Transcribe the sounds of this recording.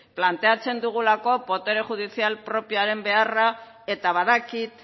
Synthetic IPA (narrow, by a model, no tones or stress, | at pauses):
plant̪e̞at͡se̞nd̪uɣ̞ulako̞po̞t̪e̞ɾe̞xuð̞isialpɾo̞piaɾe̞mbe̞ara | e̞t̪aβaðakit̪